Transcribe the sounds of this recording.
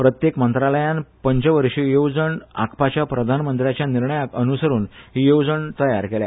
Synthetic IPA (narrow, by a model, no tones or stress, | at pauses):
pɾət̪jekmənt̪ɾaləjãnpəɲt͡ɕəʋəɾʂijowd͡zəɳa̰kʰpat͡ɕjapɾəd̪ʱanmənt̪ɾjat͡ɕjaniɾɳəjakənusəɾuːnɦiːjowd͡zəɳt̪əjaɾkelja